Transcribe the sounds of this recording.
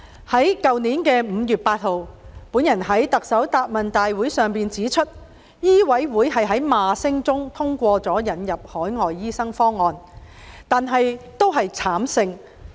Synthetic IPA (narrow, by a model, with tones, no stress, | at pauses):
hɐ˨˥jkɐ˨wniː˨˥nkɛː˧m̩˨˧jyː˨t̚paː˧t̚ho˨wpuː˨˥njɐ˨˩nɦɐ˨˥jt̪ɐ˨k̚sɐ˨˥wt̪aː˨t̚mɐ˨nt̪aː˨jwuː˨˥jsœː˨˩ŋpiː˨nt͡siː˨˥t͡ʃʰɵ˥t̚ | jiː˥wɐ˨˥jwuː˨˥jɦɐ˨jɦɐ˨˥jmaː˨sɪ˥ŋt͡sʊ˥ŋt̪ʰʊ˥ŋkʷɔː˧t͡sɔː˨˥jɐ˨˥njɐ˨p̚hɔː˨˥jŋɔː˨jːiː˥sɐ˥ŋfɔː˥ŋːɔː˨˧n | t̪aː˨nɦɐ˨jt̪o˥wɦɐ˨jt͡sʰaː˨˥msɪ˧ŋ